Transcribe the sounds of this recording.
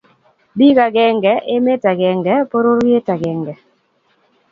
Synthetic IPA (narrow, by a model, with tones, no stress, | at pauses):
bi˦ka˨ɡɛ˦ŋɡɛ˨˦ʔe˦me˦ta˨ɡɛ˨ŋɡɛ˨˦po˦ɾo˦ɾje˦ta˨ɡɛ˨ŋɡɛ˨